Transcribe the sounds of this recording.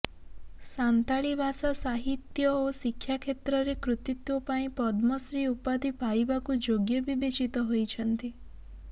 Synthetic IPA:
sant̪aɭibʱasasaɦit̪jɔosikʰːjakʰet̪ɾɔɾekɾut̪it̪ʋopaĩpɔd̪mɔsɾiupad̪ipajbakud͡ʒoɡjɔbʱibet͡ʃit̪ɔɦojt͡ʃʰɔnt̪i

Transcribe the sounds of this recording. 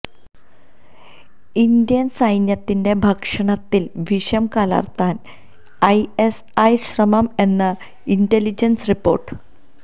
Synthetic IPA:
ind̪ijɐnsɐjnjɐt̪ːinde̞bʱɐkʂɐɳɐt̪ːilʋiʂɐmkɐla̰rt̪ːaːn | ɐjes | ɐjɕrɐmɐme̞nːɐ | indelid͡ʑensripːo̞̰ːrʈːɨ̥

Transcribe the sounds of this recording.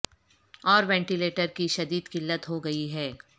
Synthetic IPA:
ɔːɾʋɛ̃ːɳʈileːʈəɾkiʃɐd̪iːd̪kɪlːət̪ɦoɡɐiɦɛː

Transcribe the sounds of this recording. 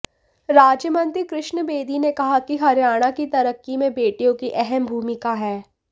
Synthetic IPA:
ɾaːd͡ʒjəmə̃nt̪ikɾɪʃɳəbeːd̪inekɐɦakiɦɐɾjaːɽ̃akit̪ɐɾəkːimẽbeːʈijõkiʔɛɦɛmbʱuːmɪkaɦɛː

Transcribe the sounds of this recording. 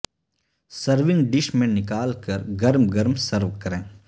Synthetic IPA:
səɾʋɪ̃ŋɡɖɪʃmẽnɪkaːlkɐɾɡɐɾmɡɐɾmsɐɾʋkɐɾẽː

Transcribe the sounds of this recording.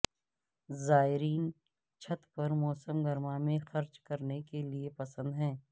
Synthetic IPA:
zaːɪɾiːn | t͡ʃʰɐt̪pɐɾmɔːsəmɡɐɾmamẽxɐɾt͡ʃkɐɾnekeliepɐsə̃nd̪ɦɛ̃ː

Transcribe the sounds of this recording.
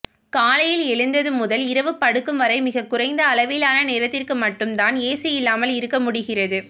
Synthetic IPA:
kaːlɐjɪlɛɭɯnd̪ɐðɯmʊðɐlɪɾɐʋɯpɐɽɯkːɯmʋɐɾɐɪmɪɣɐkːʊrɐɪnd̪ɐːlɐʋɪlaːnɐneːɾɐt̪ːɪrkɯmɐʈːɯmt̪aːneːsɐjɪlːaːmɐlɪɾɯkːɐmʊɽɪɣɪrɐðɯ

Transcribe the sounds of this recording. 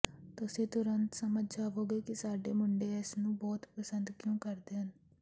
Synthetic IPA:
t̪ʊsĩːt̪ʊɾənt̪səməd͡ʒd͡ʒaːʋoːɡeːkɪsaːɖeːmʊɳɖeːɛsnũːbɔːt̪pəsə̃nd̪kjõːkəɾd̪eːɦən

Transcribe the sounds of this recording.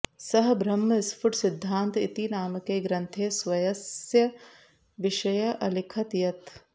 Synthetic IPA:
sɐɦbɾɐmːɐɪspʰʊʈsɪd̪ʱːaːnt̪it̪inaːmɐkeːɡɾɐnt̪ʰeːsʋɐjɐsjɐ | ʋɪʃɐjɐʔɐlikʰɐt̪jɐt̪

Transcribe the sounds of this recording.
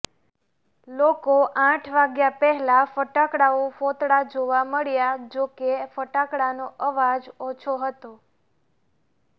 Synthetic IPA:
lokoʔãʈʰʋaɡjapɛɦɛlafəʈakɽaofot̪ɽad͡ʒoʋaməɭjad͡ʒokefəʈakɽanoʔəʋad͡ʒot͡ʃʰoɦət̪o

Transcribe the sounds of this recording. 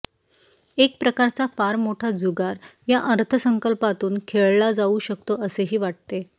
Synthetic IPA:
ek̚pɾəkaɾt͡safaɾmoʈʰad͡zuɡaɾjaʔəɾt̪ʰəsəŋkəlpat̪uːnkʰeɭlad͡zauɕəkt̪oəseɦiːʋaʈ̚t̪e

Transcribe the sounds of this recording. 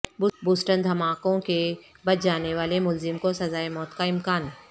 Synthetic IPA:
bbuːsʈənd̪ʱɐmaːkõke | bɐt̪d͡ʒaːneʋaːlemʊlzɪmkosɐzaːemɔːt̪kaɪmkaːnɦ

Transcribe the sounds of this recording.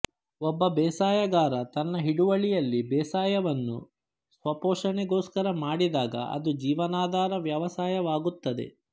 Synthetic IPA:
ɔbːɐbɛːsaːjɐɡaːɾɐt̪ɐnːɐɦiɽuʋɐɭijɐlːibɛːsaːjɐʋɐnːṵ | sʋɐpoːʂɐɳɛɡoːskɐɾɐmaːɽid̪aːɡɐ̰ʔɐ̰d̪ud͡ʒiːʋɐnaːd̪ʱaːɾɐʋjɐʋɐsaːjɐʋaːɡut̪ːɐd̪e̞̰

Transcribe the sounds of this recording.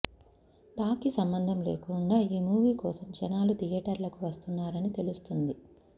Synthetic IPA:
ʈaːkisɐmbɐnd̪ʱɐmlḛːkuɳɖaːiːmuːʋiːkɔːsɐmd͡ʒɐnaːlut̪ijɛːʈɐɾlɐkuʋɐst̪unːaːɾɐnit̪elust̪und̪i

